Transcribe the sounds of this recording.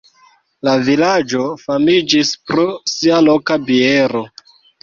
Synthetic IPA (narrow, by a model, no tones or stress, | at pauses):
lavilad͡ʒo̞famid͡ʒispɾosialo̞kabieɾo̞